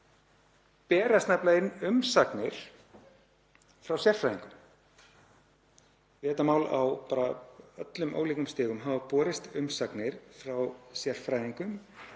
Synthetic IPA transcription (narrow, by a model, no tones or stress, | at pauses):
pɛːɾasnajplaɪnʏmsaknɪɾ̥ | fɾawsjɛr̥fɾajðiŋkʏm | vɛːt̪amaːwla̰wpaːɾaœt̪lʏmʔo̰ːwliːkʏmst̪ɪːɣʏmɦaːvapɔːɾɪst̪ʏmsaknɪɾ̥fɾawsjɛr̥fɾaːjðiŋkʏm